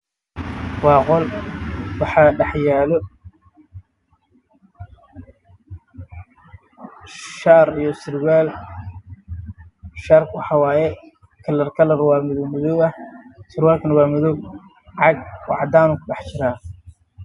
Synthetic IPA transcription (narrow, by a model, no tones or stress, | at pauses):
wɑːqɔl | wɑħɑːɖɑħjaːlɔ | ʃaːrijɔsɪrwaːl | ʃaːrkwɑħɑːwaːjɛ | kʰɐlːɐrkʰɐlɐɾwaːmɪðmɪðɔwɐhsɪɾwaːlkʰɐnɐwaːmʊðɔw | ʕɑɡ̚wɑ̰ʕd̪aːnuːkʰʊɖɑħt͡ʃɪɾaː